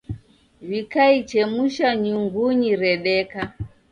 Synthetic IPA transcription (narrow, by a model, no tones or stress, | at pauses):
vikait͡ʃɛmuʃaɲuŋɡuɲiɾɛɗɛka